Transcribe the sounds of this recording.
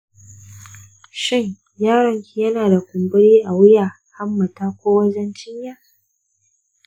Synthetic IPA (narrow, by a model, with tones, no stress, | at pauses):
ʃɪ˦ɲ | jaː˦ɽɐ˦ŋkʲi˦jɐ˦naː˨da˨kʷʊ˨mbʊ˦ɽeː˦ʔa˨wɪ˦jaː˨ | ha˦mːɐ˨taː˦kʷoː˦wɐ˦d͡ʒɐ˦nt͡ʃɪ˦ɲjaː˦